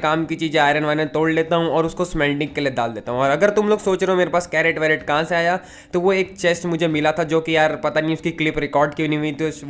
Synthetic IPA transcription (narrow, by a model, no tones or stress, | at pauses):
kaːmkit͡ʃiːd͡ʒẽaːɾə̃nʋaːnẽt̪oːɽleːt̪aɦũɔːɾʊskosmɛːlɖɪ̃ŋɡkːelieda̰ːld̪eːt̪aɦũɔːɾɐɡəɾt̪ʊmloːɡsoːt͡ʃɾeɦomeːɾepaːskɛːɾeʈʋɛːɾɪʈkɐɦãseaːja | t̪oʋoeːk̚t͡ʃeːsʈmʊd͡ʒʱemɪlat̪ʰad͡ʒoːkijaːɾpɐt̪aniɦĩʊskiklɪpɾɪkɔːɾɖkiinĩʋit̪os